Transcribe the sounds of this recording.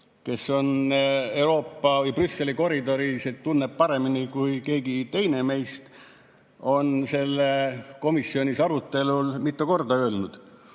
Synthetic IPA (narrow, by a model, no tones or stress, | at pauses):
ke̞sːo̞ne̞uɾo̞ːpːɑvɯjprysːe̞liko̞ɾid̪o̞ɾiset̪ːunːeb̥̚pɑɾe̞minikujke̞ːɡit̪e̞jne̞me̞jst̪ | o̞nse̞lːeko̞misːio̞nʲisɑɾut̪ˑːe̞lulmit̪ːˑuko̞rd̪ɑø̞ːlnud̪̥